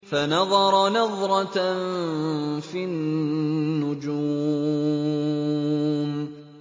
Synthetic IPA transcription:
fanɑðˤɑɾˤɑnɑðˤɾˤɑ | fi | nːʊd͡ʒu | m

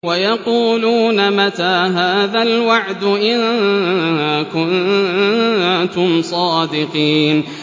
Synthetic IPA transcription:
wajɑquːluːnamat̪aːɦaːðalwaʕd̪ʊʔɪn | kʊn | t̪ʊmsˤɑːd̪ɪqiːn

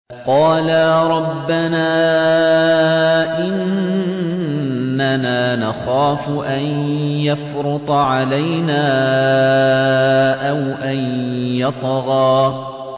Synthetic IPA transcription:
qɑːlaːɾˤɑbːanaː | ʔɪn | anaːnaxaːfʊʔanjafɾʊt̪ˤʕalajnaː | ʔawʔanjɑt̪ˤɣɑː

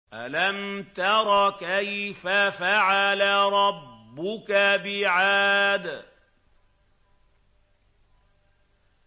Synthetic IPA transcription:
ʔalamt̪ɑɾˤɑkajfafaʕalaɾˤɑbːʊkabɪʕaːd̪

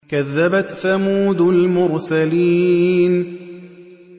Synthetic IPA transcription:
kaðːabat̪θamuːd̪lmʊɾsaliːn

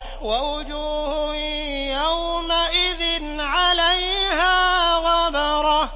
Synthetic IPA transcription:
waʊd͡ʒuːhʊjawmaʔɪðɪnʕalajhaːɣɑbɑɾˤɑ

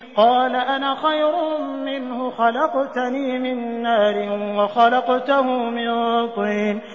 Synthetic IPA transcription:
qɑːlaʔanaːxajɾʊmɪnhʊxɑlɑqt̪aniːmɪnːaːɾɪnwaxɑlɑqt̪ahʊmɪnɾɑt̪ˤiːn

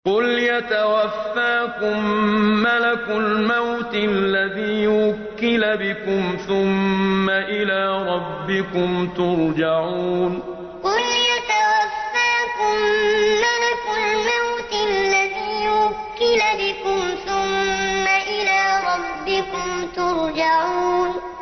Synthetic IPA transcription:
qʊljat̪awafːaːkʊmːalakʊlmawt̪allːaðiːjwakːɪlabɪkʊmθʊmːaʔɪlaːɾˤɑbːɪkʊmt̪ʊɾˤd͡ʒaʕuːn | qʊljat̪awafːaːkʊmːalakʊlmawt̪alːaðiːjwakːɪlabɪkʊmθʊmːaʔɪlaːɾˤɑbːɪkʊmt̪ʊɾˤd͡ʒaʕuːn

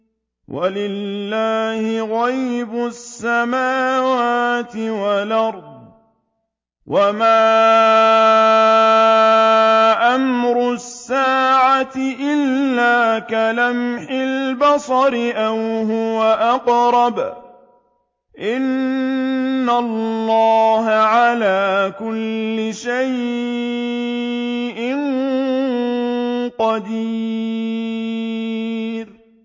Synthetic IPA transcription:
wʔalɪlːaːhɪɣajbʊsːamaːwaːt̪ɪwalʔɑɾˤd̪ˤ | wamaː | ʔamɾʊsːaːʕat̪ɪʔɪlːaːkalamħɪlbɑsˤɑɾɪʔawɦʊwaʔɑqɾˤɑb | ʔɪnː | alːɑːɦaʕalaːkʊlːɪʃaj | ʔɪn | qɑd̪iː | ɾ

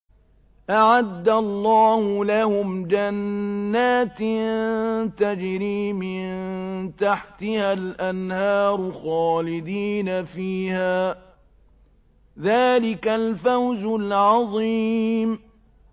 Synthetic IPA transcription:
ʔaʕad̪ːalˤːɑːhʊlahʊmd͡ʒanːaːt̪ | t̪ad͡ʒɾiːmɪnnt̪aħt̪ɪhalʔanhɑːɾˤʊxɑːlɪd̪iːnafiːhaː | ðaːlɪkalfawzʊlʕɑðˤim

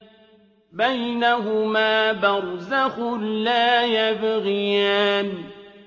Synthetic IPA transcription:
bajnaɦʊmaːbaɾˤzaɣʊlːaːjabɪɣɪjaːmi

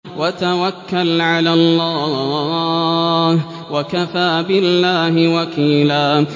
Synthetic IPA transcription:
wat̪awakːalʕalalːaː | wakafaːbɪlːaːhɪwakiːlaː

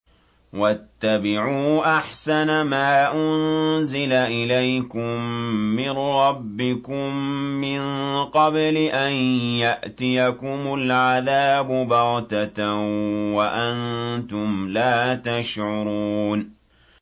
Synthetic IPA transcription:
wat̪ːabɪʕuːʔaħsanamaːʔʊnzɪlaʔɪlajkʊmːɪnɾɑbːɪkʊmːɪnqɑblɪʔanjaʔt̪ɪjakʊmʊlʕaðaːbʊbɑɾt̪at̪ | waʔant̪ʊmlaːt̪aʃʕʊɾˤuːn

